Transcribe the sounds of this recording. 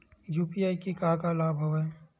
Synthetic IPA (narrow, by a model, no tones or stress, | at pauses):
juːpiaːikikaːkalaːbʱɦoʋɛ